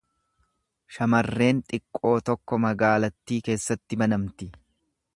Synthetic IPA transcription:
ʃɐmɐrːe̞ːnt̪ʼɪkʼːo̞ːt̪ɔkːɔmɐɡaːlɐt̪ːiːke̞ːsːɐt̪ːɪbɐnɐmt̪ɪ

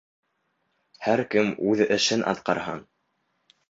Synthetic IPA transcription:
hæɾkɘmʉðɘ̆ʃɘnʔɑ̰t̪qɑɾhɑn

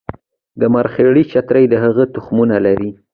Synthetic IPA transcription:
d̪əmaɾxeɽit͡ʃat̪ɾəjd̪əɦaɣət̪ʊxmunalaɾi

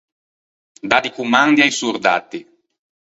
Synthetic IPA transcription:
d̪ad̪ikumand̪iajsuɾd̪a̰t̪ːi

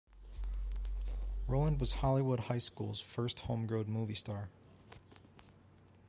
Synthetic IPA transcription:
ɹoʊlˠə̃nd̚wʌz̥hɑlˠiwʊd̚haɪskṵlˠz̥fɜ˞st̚hõʊ̃mɡɹoʊd̚muvistɑɹ

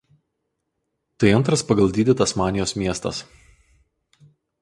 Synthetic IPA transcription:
t̪ɐɪɐnt̪ɾɐspɐɡɐlˠd̪ʲiːd̪ʲɪt̪ɐsmɑːnʲɪjoːsmʲiɛst̪ɐ̰s

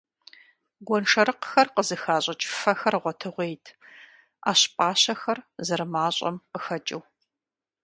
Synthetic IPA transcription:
ɡʷɔnʂɐɾɨqxɐrqəzɨxaːɕʼɐt͡ʃʼɪ̥fɐxɐrʁʷɔtʰɨʁʷeːjtʰ | a̰ːɕpʼaːɕɐxɐrzɐrmaːɕʼɐ̰mqəxɐt͡ʃʼɪw

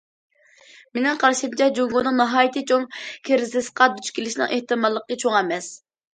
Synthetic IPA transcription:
menɪŋqʰɑɾʃɨmt͡ʃʰɛd͡ʒoŋɡonɨŋnɨɦɑːjit̪ʰɨt͡ʃʰoŋkʲʰeɾɪzɪsqɑd̪yt͡ʃkʲʰilɪʃnɨ̰ŋʔeht̪ɨmɑlˠːəqːət͡ʃʰoŋɛmɛs

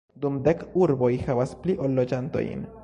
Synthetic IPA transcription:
d̪umd̪ekuɾbo̞jhavaspliʔolːod͡ʒant̪o̞̰jḭn

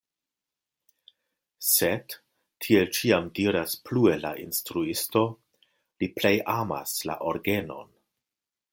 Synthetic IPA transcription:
sed | tʰːie̞lt͡ʃiamdiɾasplue̞la̰ʔinstɾuisto̞ | liple̞jʔama̰sla̰ʔoɾɡeno̞̰n

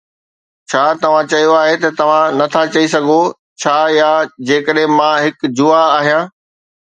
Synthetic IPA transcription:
t͡ɕʰaːt̪ɐʋ̤ãt͡ɕɐjoaːɦet̪ɐt̪ɐʋ̤ãnɐt̪ʰat͡ɕɐisɐɡʱo | t͡ɕʰaːjaːd͡ʑeːkəɗɦɪ̃mãɦɪkd͡ʑʊaaːɦijãː

